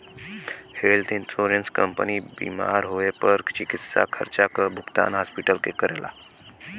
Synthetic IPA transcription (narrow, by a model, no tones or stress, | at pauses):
helt̪insoɾənskəmpəniːbḭːma̰ɾɦoepəɾt͡ɕikit̪sa̰kʰə̰ɾt͡ɕakəbʱukt̪a̰nɦaspiʈəlkḛkəɾelʔa̰